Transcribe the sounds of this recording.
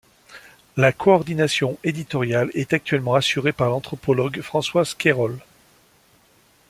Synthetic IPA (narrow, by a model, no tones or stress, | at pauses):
lakʰɔɔʁd̪inasjɔ̃ed̪it̪ɔʁjalɛt̪ak̚t̪ɥɛlmɑ̃asyʁepaʁlɑ̃t̪χɔpɔlɔɡfχɑ̃swazkʲeʁɔl